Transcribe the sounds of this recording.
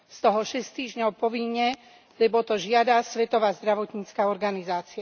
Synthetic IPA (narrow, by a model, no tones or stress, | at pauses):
st̪ɔɦɔʃɛst̪iːʒɲɔʊpɔʋiɲːɛ | lɛbɔt̪ɔʒɪad̪asʋɛt̪ɔʋaːzd̪ɾaʋɔt̪ɲiːt͡skaːɔɾɡanizaːt͡sia